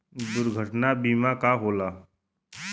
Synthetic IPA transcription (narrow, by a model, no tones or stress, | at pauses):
d̪ʊɾɡʱəʈnabiːmakaɦoːlaː